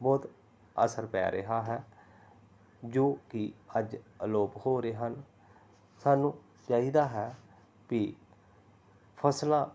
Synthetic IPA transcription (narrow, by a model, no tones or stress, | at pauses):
bɔːt̪ | ə̰səɾpɛ̰ːɾəɦaːɦɛː | d͡ʒoːkɪəd͡ʒəloːphoːɾeːɦən | saːnũː | t͡ʃaːɦiːd̪aːɦɛː | kɪ | pʰəslaː